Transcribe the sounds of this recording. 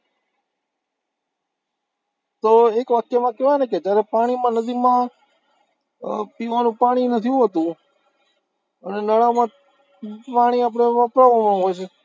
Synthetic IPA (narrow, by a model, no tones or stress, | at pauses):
t̪oekʋakjəmãkeʋaneked͡ʒ̪jaɾepaɽ̃imãnəd̪imã | piʋanũpaɽ̃inət̪ʰijũɦət̪ũ | ənenəɭamã | paɽ̃iap̬ɽ̃eʋəpɾaʋamãɦojt͡ʃʰe